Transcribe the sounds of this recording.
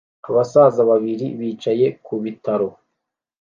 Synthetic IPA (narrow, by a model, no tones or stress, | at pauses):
aβasaːzaβaβiɾiβiːt͡ʃaje̞kuβitaɾo̞